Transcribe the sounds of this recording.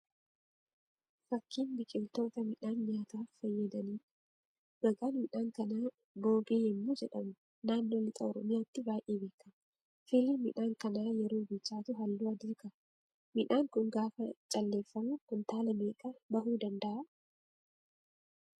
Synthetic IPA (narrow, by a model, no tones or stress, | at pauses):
fɐkːiːnbɪkʼɪlt̪o̞ːt̪ɐmɪᶑaːnɲaːt̪aːfɐjːɐd̪ɐniː | ɡɐɡaːnmɪᶑaːŋkɐnaː | bo̞ːɡeːɪmːoːd͡ʒɛᶑɐmʊ | naːnːo̞ːlɪt̪ʼɐɔɾɔmɪjaːt̪ːɪbaːjʔeːbe̞ːkːɐm | fɪlimɪᶑaːŋkɐnaːjɛɾoːbɪt͡ʃːaːt̪ʊɦɐlːuːɐd̪ɪɾkɐ | mɪᶑaːŋkʊŋɡaːfɐt͡ʃʼɐlːe̞ːfːɐmʊkʊnt̪aːlɐmeːkʼɐbɐhuːd̪ɐnd̪ɐʔɐ